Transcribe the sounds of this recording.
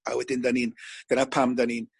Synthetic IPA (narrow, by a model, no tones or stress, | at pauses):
a̰wɛdɪndanind̥ənapʰamdanin